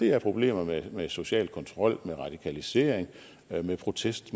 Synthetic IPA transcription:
d̥e̝æɐpʰʁo̝b̥le̝̰ːmɐmemeso̝ɕɛ̰ːlkʰɒ̽nt͡sʰʁɒ̽l̰meʁɑ̈d̥ikʰælise̝̰ːɐ̰eŋ | mepʰʁo̝t͡sʰesd̥

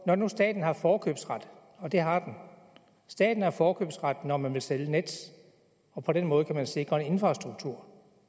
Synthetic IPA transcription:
nɒnusd̥ɛ̰ːd̥n̩ɦɑ̈fɒːkʰø̰ːb̥sʁad̥ | ɒ̽d̥e̝ɦɑ̈d̥en | sd̥ɛ̰ːd̥n̩ɑfɒːkʰø̰ːb̥sʁäd̥nɒmænʋe̝lseləned̥s | ɒ̽pʰɒ̽d̥enmɔ̽ːð̩ˠkʰæmænse̝ɡ̥ʁɐe̝ne̝nfʁɑ̈sd̥ʁuɡ̥̚t͡sʰuɐ̰

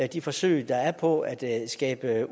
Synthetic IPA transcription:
d̥ifɒ̽sø̰ːɪd̥ɑ̈æɐpʰɒ̽æd̥sɡ̥ɛ̰ːb̥ə

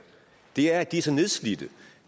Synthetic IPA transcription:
d̥e̝æɐd̥isəneðˠslidə

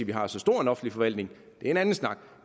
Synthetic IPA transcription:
ʋiɦɑ̈sɒ̽sd̥o̝ɐ̰enɒ̽fn̩lifɒ̽ʋæl̰d̥ne̝ŋ | d̥eæɐe̝nænn̩snɑ̈ɡ̥

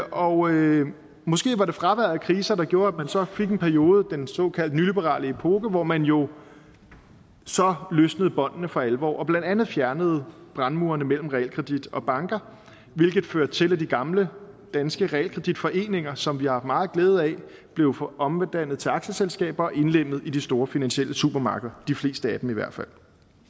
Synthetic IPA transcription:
ʔɒ̽ | mɔ̽sɡ̥e̝̰ːʋɑ̈ɾe̝fʁɑ̈ʋæɐ̰ðˠkʰʁiːsɐd̥ɑ̈ɡ̥jo̝ːɐæd̥mænsɒ̽fe̝ɡ̥enpʰæɐijo̝ːð̞ˠd̥ensɒ̰̽ːkʰæl̰d̥nylib̥əʁɑ̰̈ːləpʰoːɡ̥əʋɒmænjo̝ | sɒ̽løsnəð̞̩ˠb̥ɒ̽n̰d̥ənəfʁɑ̈ælʋɒ̰ːʔɒ̽b̥lænd̥ænð̞̩ˠfjæɐnəð̞̩ˠb̥ʁɑ̈nmuːɐnəmel̰m̩ʁɛɛ̰lkʰʁɛd̥id̥ɒ̽b̥ɑ̈ŋɡ̥ɐ | ʋe̝lɡ̥ð̞̩ˠføɐd̥̚t͡sʰe̝læd̥iɡ̥ɑ̈mlə | d̥ænsɡ̥əʁɛɛ̰lkʰʁɛd̥id̥fɒ̽ʔe̝̰ːne̝ŋɐsɒ̽mʋiɑhɑ̈fd̥mɑ̈ːð̞̩ˠɡ̥leːð̞̩ˠæ | b̥le̝ʊʔɒ̽md̥æn̰ð̞̩ˠt͡sʰe̝ɑ̈ɡ̥ɕəselsɡ̥ɛ̰ːb̥ɐːʔe̝nlem̰əð̩ˠid̥isd̥o̝ːɐfinænɕel̰ʔəsub̥ɐmɑ̈ːɡ̥əðˠɐd̥ifle̝̰ːsd̥əæd̥em̩iʋæɐ̰d̥fæl̰

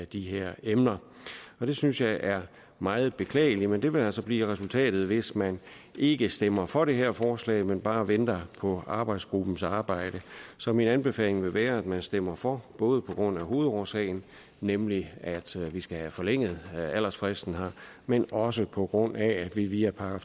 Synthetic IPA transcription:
d̥iɦeɐ̰emnɐ | ɒ̽d̥e̝synsjɑ̈ɪʔæɐ | mɑ̈ːð̞̩ˠb̥e̝kʰlɛ̰ːɪlimend̥e̝ʋe̝læl̰sɒ̽b̥liːʁɛsult͡sʰɛ̰ːd̥ð̞̩ˠʋe̝smæn | e̝ɡ̥əsd̥em̰ɐfɒ̽ɾe̝ɦeɐ̰fɒːslɛ̰ɪmenb̥ɑ̈ːʋend̥ɐpʰɒ̽ɑ̈ːb̥ɑ̈ɪd̥sɡ̥ʁub̥n̩sɑ̈ːb̥ɑ̈ɪ̰ɾ̥əsɒ̽minænb̥e̝fɛ̰ːle̝ŋʋe̝ʋæːɐæd̥mænsd̥em̰ɐfɒb̥ɔ̽ːð̞̩ˠəpʰɒ̽ɡ̥ʁɔ̽n̰æɦo̝ːð̞̩ˠɒːsɛ̰ɪn̩ | nemliæd̥ʋisɡ̥æhæfɒ̽leŋ̰ð̞̩ˠæl̰ɐsfʁɛsd̥n̩ɦɑ̈menɒ̽s̬əpʰɒ̽ɡ̥ʁɔ̽n̰ʔææd̥ʋiʋiːæpʰɑ̈ɡ̥ɐ

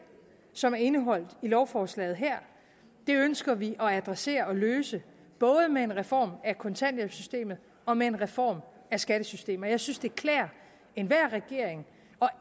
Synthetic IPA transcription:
sɒ̽mæɐe̝nəɦɒ̽l̰d̥ilɒʊfɒːslɛ̰ːð̞̩ˠɦæɐ̰ | d̥e̝ønsɡ̥ɐʋiʔɒ̽æd̥ʁɛse̝̰ːɐɒ̽løːsə | b̥ɔ̽ːð̞ˠəmee̝nʁɛfɒ̰ːmækʰɒ̽nt͡sʰæn̰jeb̥sysd̥e̝̰ːmð̩ˠ | ɒ̽mee̝nʁɛfɒ̰ːm | æsɡ̥æɾ̥əsysd̥e̝̰ːmɐjɑ̈ɪsynsd̥e̝ɐkʰlɛːɐ̰ | e̝nʋæɐ̰ʁɛɡ̥e̝ɐ̰eŋ | ɒ̽

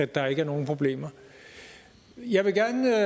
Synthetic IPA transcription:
æd̥ːɑ̈e̝ɡ̥əæɐno̝ːn̩pʰʁo̝b̥le̝̰ːmɐ | jɑ̈ɪʋe̝ɡ̥æɐnə

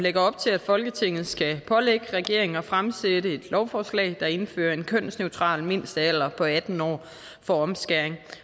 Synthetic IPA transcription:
leɡ̥ɐɒ̽b̥t͡sʰe̝læd̥fɒ̽lɡ̥ət͡sʰe̝ŋ̰ð̩ˠsɡ̥æpʰɒ̽leɡ̥əʁɛɡ̥e̝ɐ̰e̝ŋɒfʁamsedəe̝d̥lɒʊfɒːslɛ̰ɪd̥ɑ̈e̝nfø̰ːɐe̝nkʰøn̰sneʊt͡sʰʁɑ̰̈ːlme̝n̰sd̥əæl̰ɐpʰɒ̽æd̥n̩ɒ̰ː | fɒ̽ɒ̽msɡ̥æɐeŋ

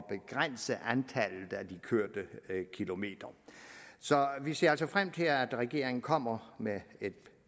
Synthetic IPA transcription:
b̥e̝ɡ̥ʁan̰səʔænt͡sʰælð̩ˠæd̥ikʰøɐ̰d̥əkʰilo̝me̝̰ːd̥ɐ | sɒ̽ʋise̝ɐælsɒfʁam̰t͡sʰe̝læd̥ʁɛɡ̥e̝ɐe̝ŋn̩kʰɒ̽m̰ɐmeed̥

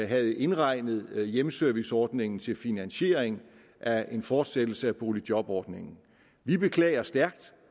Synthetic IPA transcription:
ɦæð̞̩ˠe̝nʁɑ̈ɪ̰nəð̞̩ˠjemsœɐʋisɒːd̥ne̝ŋn̩t͡sʰe̝lfinænɕe̝̰ːɐ̰eŋ | ʔæʔe̝nfɒːd̥sed̥l̩səæb̥ʰo̝ːlid̥jɒ̽b̥ɒːd̥ne̝ŋn̩ | ʋib̥e̝kʰlɛ̰ːɪɐsd̥æɐɡ̥d̥

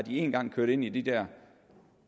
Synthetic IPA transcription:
ɑd̥ie̝ːnɡ̥ɑ̈ŋ̰kʰøɐɾ̥e̝n̰id̥id̥ɛɐ̰

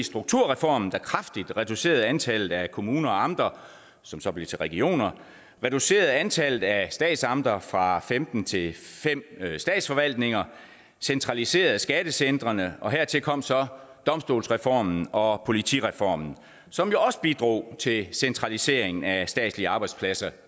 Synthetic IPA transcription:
isd̥ʁuɡ̥̚t͡sʰuɐʁɛfɒ̰mn̩d̥ɑ̈kʰʁɑfd̥id̥ʁɛd̥use̝̰ːɐðˠænt͡sʰæl̰ð̩ˠækʰo̝muːnɐɒ̽ɑ̈md̥ʁɐ | sɒ̽msɒ̽b̥le̝t͡sʰe̝lʁɛɡ̥io̝̰ːnɐ | ʁɛd̥use̝̰ːɐð̞̩ˠænt͡sʰæl̰ð̩ˠæsd̥ɛ̰ːd̥sɑ̈md̥ʁɐfʁɑ̈femd̥n̩t͡sʰe̝fem̰sd̥ɛ̰ːd̥sfɒ̽ʋæl̰d̥ne̝ŋɐ | sent͡sʰʁɑ̈lise̝̰ːɐð̩ˠsɡ̥æd̥əsend̥ʁɐnəʔɒ̽ɦeɐ̰t͡sʰe̝lkʰɒ̽m̰sɒ̽ | d̥ɒ̽msd̥o̝ːlsʁɛfɒ̰ːmn̩ɒ̽pʰo̝lit͡sʰḭʁɛfɒ̰ːmn̩ | sɒ̽mjo̝ɒ̽sə̥b̥id̥ʁo̝̰ːt͡sʰe̝sent͡sʰʁɑ̈lise̝ɐ̰eŋn̩æsd̥ɛ̰ːd̥sliəɑ̈ːb̥ɑ̈ɪdspʰlæsɐ

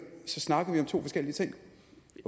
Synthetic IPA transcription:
sɒ̽snɑ̈ɡ̥əðˠʋiɒ̽mt͡sʰo̝̰ːfɒ̽sɡ̥el̰iət͡sʰe̝ŋ̰

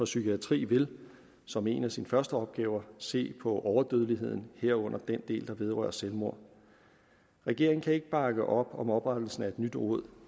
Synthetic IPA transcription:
ɒ̽sykʰiæt͡sʰʁḭːʋe̝l | sɒ̽me̝̰ːnæsinfɶɐsd̥əɒ̽b̥̚ɡ̥ɛːʊɐse̝̰ːpʰɒ̽ʔɒʊɐd̥øðˠəliɦe̝ð̞̰ˠn̩heɐ̰ɔ̽n̰ʔɐd̥end̥e̝̰ːld̥ɑ̈ʋe̝ð̞ˠʁɶ̰ɐselmo̝ɐ̰ | ʁɛɡ̥e̝ɐ̰eŋ̩kʰæe̝ɡ̥əb̥ɑ̈ɡ̥əʔɒ̽b̥ɒ̽mɒ̽b̥ʁad̥l̩sn̩æe̝d̥nyd̥ʁɔ̰ð̰ˠ

